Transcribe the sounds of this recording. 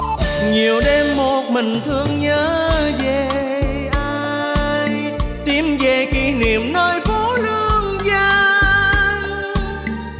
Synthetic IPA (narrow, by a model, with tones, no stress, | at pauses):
ɲi˨˩əwɗe˧mːo˨˩t̚mï˨˩ŋ̟t̪ʰɨ˧əŋɲəː˨˦ze˨˩ | ʔaː˧ | j | t̪i˨˩mzə˨˩jki˧˩ni˨əmnəː˧jfo˧˦lɨ˧əŋzaː˧ | ŋ